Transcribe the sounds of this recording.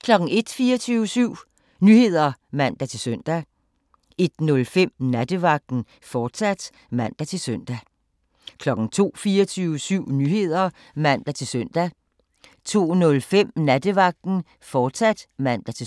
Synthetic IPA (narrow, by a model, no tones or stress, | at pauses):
kʰlɒ̽ɡ̥n̩e̝d̥fiːɐt͡sʰyːʊəsyʊ̰ | nyhe̝ð̞̰ˠɐmæn̰d̥æt͡sʰe̝lsøn̰d̥æ | e̝d̥nɔ̽lfem̰næd̥əʋɑ̈ɡ̥̚d̥n̩ | fɒ̥ːsæd̥ | mæn̰d̥æt͡sʰe̝lsœn̰d̥æ | kʰlɒ̽ɡ̥n̩t͡sʰo̝̰ːfiːɐt͡sʰyːʊəsyʊ̰nyhe̝ð̞̰ˠɐ | mæn̰d̥æt͡sʰe̝lsœn̰d̥æ | t͡sʰo̝̰ːnɔ̽lfem̰næd̥əʋɑ̈ɡ̥̚d̥n̩ | fɒ̥ːsæd̥mæn̰d̥æt͡sʰe̝